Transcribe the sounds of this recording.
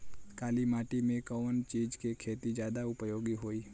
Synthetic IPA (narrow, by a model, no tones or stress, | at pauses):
kaːlimaːʈimẽkəʋənt͡ʃiːd͡ʒkekʰeːt̪id͡ʒjaːd̪aʊpjoːɡiɦoːiː